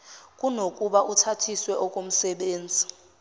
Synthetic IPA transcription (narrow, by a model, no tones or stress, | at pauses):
k̬ʼunokʼuɓaʔutʰatʰiswɛʔɔkʼom̩sɛɓeːnd͡zʱi